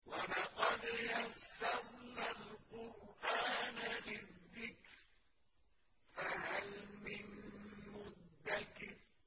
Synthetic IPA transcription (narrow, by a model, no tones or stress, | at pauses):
walɑqɑd̪jasːaɾnalqʊɾʔaːnalɪðːɪkɾ | faɦalmɪnmʊd̪ːakɪɾ